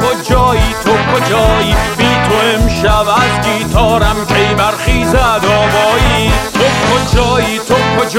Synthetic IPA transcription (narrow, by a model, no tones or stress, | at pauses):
od͡ʒɒːiːt̪ʰokʰod͡ʒɒːjiːbiːt̪ʰoemʃævæzɡiːt̪ʰɒːɾæmkʰejmæɾxiːzæd̪ɒːvɒːjiːokʰod͡ʒɒːjiːt̪ʰokʰod͡ʒ